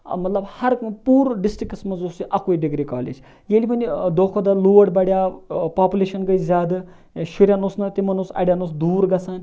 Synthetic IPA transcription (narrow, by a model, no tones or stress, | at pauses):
ɐ̰mɐt̪lɐbhɐɾkpuːɾɖisʈɾikɐsmɐnzoːsiʔɐkoːiɖiɡɾikaːlḛd͡ʒ | jeːlipɐnʲid̪oːkʰod̪ɐluːɐɖbɐɽjaːpaːpʲuleːʃɐnɡɐizʲaːd̪ɨ | ʃuɾʲjaːnoːsnɐt̪imɐnoːsɐ̰ɽʲjaːnoːs̬d̪uːɾɡɐsaːn